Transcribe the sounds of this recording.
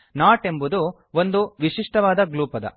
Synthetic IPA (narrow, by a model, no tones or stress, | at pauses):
naːʈe̞mbud̪u | ond̪uʋiʂiʂʈɐʋaːd̪ɐɡluːpɐd̪ɐ̰